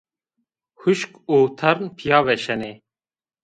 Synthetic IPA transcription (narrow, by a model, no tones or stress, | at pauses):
huʃkuːt̪ʰɐɾnpʰijaːʋɛʃɛneː